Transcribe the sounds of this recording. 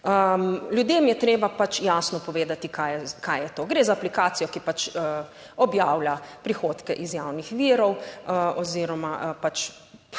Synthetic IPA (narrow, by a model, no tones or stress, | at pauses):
əlʲjud̪emjɛt̪ɾeːbapat͡ʃjaːsnɔpɔʋeːd̪at̪ikajɛkajjɛt̪oːɡɾezaːplikaːt̪sijɔkipat͡ʃə | ɔbjaːwlʲapɾixoːt̪kɛʔizjawnixʋiːɾɔwəɔziɾɔmapat͡ʃ